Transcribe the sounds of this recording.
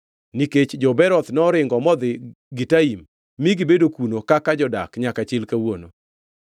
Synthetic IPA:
niket͡ʃd͡ʒɔbɛɾɔt̪nɔɾɪŋɡɔmɔd̪ɪ | ɡitaimː | iɡibedokunokakad͡ʒɔda̰kɲakat͡ʃɪlkawono̰

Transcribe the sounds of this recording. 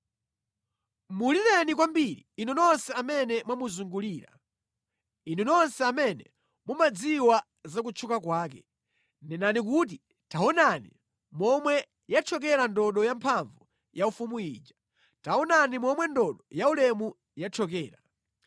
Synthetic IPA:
muliɾɛnikwambiɾiːnunɔnsɛamɛnɛmwamuzuŋɡuliːɾa̰ | inunɔnsɛamɛnɛ | mumad͡ziwa | zak̬ut͡ʃʰukakwaːkɛ | nɛnanik̬ut̬i | taɔnanḭ | mɔmwɛ | jat͡ʃʰɔk̬ɛɾandɔɗɔjampʰaɱvu | jaufumuḭːd͡ʒḁ | taɔnanimɔmwɛndɔɗɔjaulɛmu | jat͡ʃʰɔk̬ɛːɾa

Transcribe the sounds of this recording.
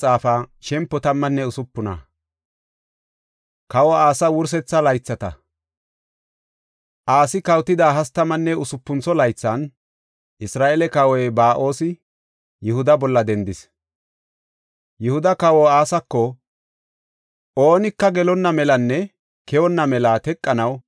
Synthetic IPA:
t͡sʼaːfaːʃɛmpːɔt̪ɐmːɐnːɛʊsʊpːʊnɐ̰ | kɐwɔaːsɐwʊɾs̬ɛt͡sːɐlɐjt͡sːɐt̪ɐ̰ | ʔaːsɪkɐwt̪ɪd̪aːɦɐst̪ɐmːɐnːɛʊsʊpːʊnt͡sɔlɐjt͡sːɐn | ʔɪsɾaːʔelɛkɐwɔjbaːʔo̞ːsɪ | jʊhʊd̪ɐbɔlːɐd̪ɛnd̪ɪs | jʊhʊd̪ɐkɐwɔaːsɐkːɔ | o̞ːnɪkːɐɡɛlɔnːɐmɛlɐnːɛ | kɛwɔnːɐmɛlaːt̪ɛkʼːɐnɐw

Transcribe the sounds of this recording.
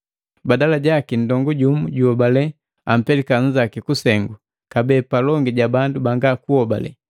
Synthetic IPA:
badalaɟakin̩dɔŋɡuɟumuɟuhɔbalɛ | am̩pɛlikan̩d͡ʒakikusɛŋɡu | kabɛːpalɔŋɡiɟabandubaŋɡakuhɔba̰lɛ̰

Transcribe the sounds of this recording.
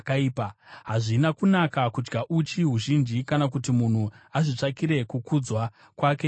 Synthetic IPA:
kaiːpaɦaʐinakunakakud͡ʒɡaʔut͡ʃiɦuʒind͡ʒikanak̬utimun̤uaʐit͡ʂakiɾe̞kukud͡zwa | kwaːke̞

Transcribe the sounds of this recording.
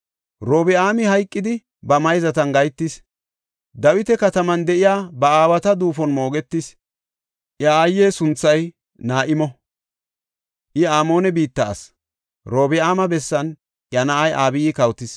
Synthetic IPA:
ɾo̞ːbɪaːmɪhɐjkʼːɪd̪ɪ | bɐmɐjzɐt̪ɐnɡɐjt̪ːɪs | d̪ɐwɪt̪ɛkɐt̪ɐmɐnd̪ɛʔɪjaːbɐaːwɐt̪ɐd̪uːfɔnmo̞ːɡɛt̪ːɪs | ʔjɐaːjːeːsʊnt͡sːɐj | naːʔɪmɔ | ʔɪaːmo̞ːnɛbiːt̪ːɐ̰ːs | ɾo̞ːbɪaːmɐbɛsːɐn | ʔjɐnɐʔɐjʔaːbɪjiːkɐwt̪ɪs

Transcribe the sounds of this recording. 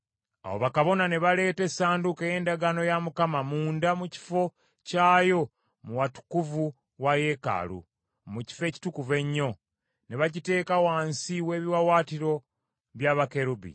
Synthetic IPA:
a̰wo̰βakaβo̞nane̞βale̞ːte̞saːndukejeːndaɡano̞jamukamamuːndamuci̥fo̞ | caːjo̞ | muwatu̥kuvu | waje̞ka̰lṵ | muci̥fe̞ːci̥tukuve̞ɲːo̞ | ne̞βaɟite̞ːkawaːnsiwe̞ːβiwawaːtiɾo̞ | βjaːβake̞ɾubḭ

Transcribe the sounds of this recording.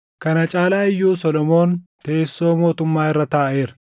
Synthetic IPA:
kɐnɐt͡ʃʼaːlaːɪjːuːsɔlɔmo̞ːnt̪e̞ːsːo̞ːmo̞ːt̪ʊmːaːɪrːɐt̪aːʔe̞ːɾɐ

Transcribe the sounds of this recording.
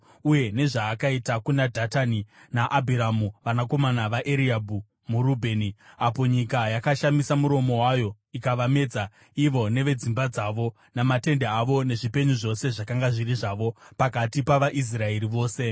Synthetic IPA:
uje̞ne̞ʐaːkaitakunadʱataninaʔabʱiɾamuʋanako̞manaʋaʔeɾiabʱu | muɾubʱe̞ːniapo̞ɲikajakaʃamisamuɾo̞mo̞wajo̞ | ikaʋame̞d͡za | iʋo̞ne̞ʋe̞d͡zimbad͡zaʋo̞ | namate̞ndeaʋo̞ne̞ʐipe̞ɲuʐo̞seʐakaŋɡaʐiriʐaʋo̞pakatipaʋaʔis̬rae̞ɾiʋo̞ːse̞

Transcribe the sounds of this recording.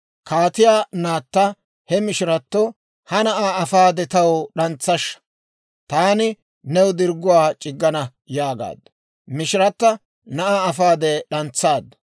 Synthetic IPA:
kaːt̪ɪjaːnaːt̪ːɐ | hɛmɪʃɪɾɐt̪ːɔ | hɐnɐʔaːɐfaːd̪ɛt̪ɐwɔɗɐnt͡sːɐʃːɐ̥ | t̪aːnɪ | nɛwd̪ɪɾɡʊwaːt͡ʃʼɪɡːɐnɐ | jaːɡa̰ːd̪ːɐ | mɪʃɪɾɐt̪ːɐ | nɐʔaːɐfaːd̪ɛɗɐnt͡sːaːd̪ɐ

